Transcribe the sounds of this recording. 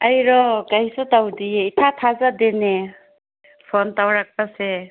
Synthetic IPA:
ajɾɔkajsɔtawdieitʰatʰazadene | pʰɔntawɾak̚pase

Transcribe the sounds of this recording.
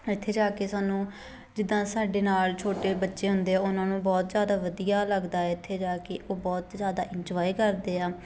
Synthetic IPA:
ɪt̪ʰːeːd͡ʒaːkeːsaːnũː | d͡ʒɪd̪ːãːsaːɖeːnaːlt͡ʃʰoːʈeːbətːʃeːɦʊnd̪eːɛːʊnãːnũːbɔːt̪zjaːd̪aːʋəd̪ijaːləɡd̪aːɛːɪt̪ʰːeːd͡ʒaːkeʔoːbɔːt̪zjaːd̪aːʔɪɲd͡ʒɔːiːkəɾd̪eːaː

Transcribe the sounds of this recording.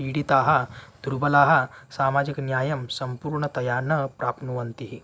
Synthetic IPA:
iːɽit̪aːɦɐd̪̥ʱuɾubɐlaːɦɐsaːmaːd͡ʒiknjaːjɐmsɐmpuːɾɳɐt̪ɐjaːnɐpɾaːpnuʋɐnt̪iɦi

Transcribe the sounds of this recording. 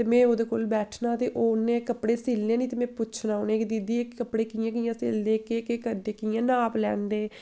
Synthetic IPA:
teːmɛ̃ːoːd̪eːkoːlbɛːʈʰnaːt̪eːʔoːʊnːẽːkəpɽeːsɪːlːẽːnĩːt̪eːmɛ̃ːpʊt͡ʃʰnaːoːnẽːkd̪id̪iːekkːəpɽeːkijãːk̬ɪjãːseːld̪eːkeːkeːkəɾd̪eːkɪːjãːnaːplɛ̰ːnd̪eː

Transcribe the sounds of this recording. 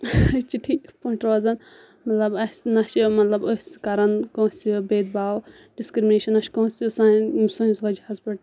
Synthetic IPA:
t͡ʃiʈʰːipoʈɾɐzɐn | mɐt̪lɐbɐsʲnɐʃmɐt̪lɐbosʲskɐɾɐnkõːsʲsibeːd̪̚baːw | ɖiskɾimneːʃɐnɐʃkõːsʲsãːmsõnzʋɐd͡ʒhɐzpiʈ

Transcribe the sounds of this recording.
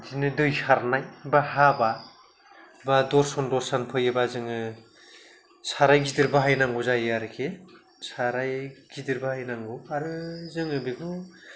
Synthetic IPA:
dinɯdɯjsaɾnajbahaba | badɔɾsɔndɔɾsanpʰɯjɯbazɯŋɯ | sʰaɾajɡidɯɾbaɦajnaŋɡuzajaɾɯkʰe | saɾajɡidiɾbahajnaŋɡuaɾɯzɯŋɯbeɡʰu

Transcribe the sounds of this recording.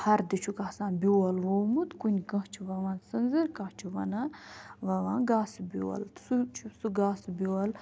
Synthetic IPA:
hɐɾd̪it͡ʃʰukaːsãːnbʲuɐlʋowmut̪kunʲkɐ̃ht͡ʃʰiʋɐʋãːsɨnzɨɾkɐht͡ʃʰuʋɐnaʋɐʋãːɡaːsbʲuːɐ̰lsut͡ʃʰusuɡaːsbʲoɐl

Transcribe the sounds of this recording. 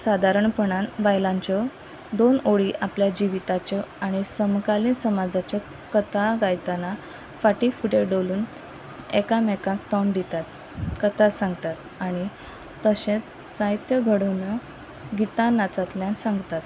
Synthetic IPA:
sad̪ʱaɾəɳpəɳ̃anʋajlaɲt͡ɕɔ | d̪onoɽiʔapljad͡ʑiʋit̪at͡ɕəaɽ̃isəmkaliːnsəmad͡zat͡ɕa | kət̪aɡajt̪ana | faʈifuʈeɖoluːn | ekamɛkãkt̪and̪it̪at̪ | kət̪asãŋɡt̪at̪̚ | aɽ̃i | t̪əɕẽt͡s | t͡sait̪jəɡʱəɽunə | ɡit̪anat͡sat̪ljãnsãŋɡt̪at̪

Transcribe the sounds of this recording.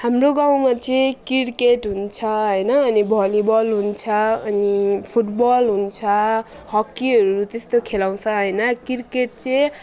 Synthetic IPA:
hamroɡaw̃mat͡sʌjkiɽkeʈɦunt͡sʰʌɦʌjnʌːnibʱʌlibʌlɦunt͡sʰʌʌnipʰuʈbʌlɦunt͡sʰʌ | hʌkːiɦʌɾɾut̪est̪okʰelaw̃t͡sʰʌɦʌjnʌkirkeʈ̚t͡sʌj

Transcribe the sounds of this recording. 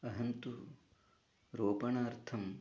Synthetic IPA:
ɐɦɐnt̪u | ɾoːpɐɳɐːɾt̪ʰɐm

